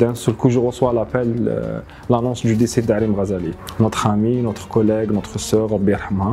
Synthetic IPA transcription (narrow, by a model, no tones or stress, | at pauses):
d̪ænsəlkuʒəʁəswalapɛl̰ | lanɔ̃sʒyd̪isid̪aʕɾimʁæzælinɔt̪χæminɔt̪χkɔlɛɡnɔt̪χəsœʁɾɑbːijəɾˤħəmha